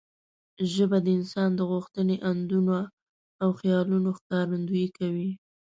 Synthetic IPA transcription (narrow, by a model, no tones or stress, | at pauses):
ʒəbad̪əɪnsɑnd̪əɣuxt̪əneʔand̪uno | awxjɑlunoxkɑɾand̪ujikawi